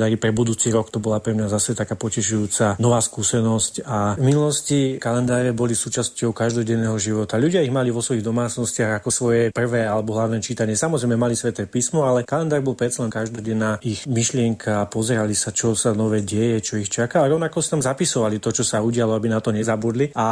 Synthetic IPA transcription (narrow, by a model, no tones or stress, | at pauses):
d̪aːɾipɾɛbud̪uːt͡siɾɔkt̪ɔbɔlapɾɛmɲazasɛt̪akaːpɔcɛʃujuːt͡sanɔʋaːskusɛnɔscavminulɔscikalɛnd̪aːɾɛbɔlisuːt͡ʃascɔʊkaʒd̪ɔɟɛnːɛːɦɔʒiʋɔt̪aʎuɟɪaiɣmaliʋɔsʋɔiɣd̪ɔmaːt͡snɔscɪaɣakɔsʋɔjɛpr̩ʋɛːalɛbɔɦlaʊnɛːt͡ʃit̪aɲɪɛsamɔzɾɛjmɛmalisʋɛt̪ɛːpiːsmɔalɛkalɛnd̪aːɾbɔlpɾɛt̪salɛnkaʒd̪ɔɟɛnːaːixmiʃlɪɛŋkʰaːpɔzɛɾalisat͡ʃɔsanɔʋɛɟɛjɛt͡ʃɔixt͡ʃakaɾɔʊnakɔsi̥amzapisɔʋalit̪ɔt͡ʃɔsauɟɪalɔabinat̪ɔɲɛzabud̪lia